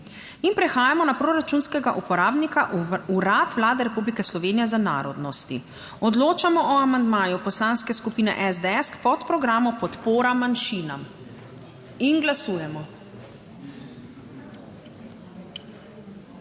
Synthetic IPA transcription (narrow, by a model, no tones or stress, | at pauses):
inpɾɛxaːjamɔnapɾoːɾat͡ʃunskɛɡaʔupɔɾaːbnikaʔuɾat̪ʋlaːd̪ɛɾɛpublikɛslɔʋeːnijɛzana̰ːɾɔd̪nɔst̪i | ɔd̪loːt͡ʃamɔʔɔamand̪maːjupɔslanskɛskupiːnɛ̰ʔɛzd̪ɛɛskpɔt̪pɾɔɡɾaːmɔpɔt̪poːɾamanʃiːnam | inɡlasuːjɛmɔ